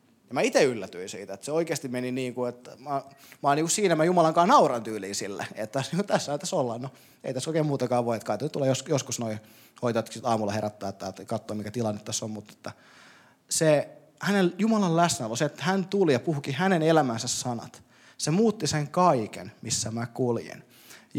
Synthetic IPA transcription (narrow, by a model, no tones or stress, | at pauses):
jɑmæit̪eylːæt̪yinsḭːt̪æet̪seoikeːst̪immeniniːŋkuet̪ːmɑmɑːniːkussiːnæmæjumɑlɑŋkɑːnɑurɑnt̪yːliːsilːḛet̪t̪æsniːŋkut̪æsːɑit̪ɑsolːɑnno | ḛit̪æsoˑikeːmuːt̪ɑkɑːʋʋoiet̪kɑit̪onyt̪ulejosjoskusnoi | hoit̪ojt̪ːksit̪ɑːmulːˑɑheɾæt̪ːæːt̪ːæːt̪kɑt̪ːoːmikæt̪ilɑnːet̪t̪æsːommut̪ːe̥t̪ːæ | se | hæneljumɑlɑllæsnæolːoset̪ːæ̥hænt̪ulijɑpuhukihænenelæmænsæssɑnɑ̰t̪ | semuːt̪ːiseŋkɑikḛnmisːæmækuljḛn | j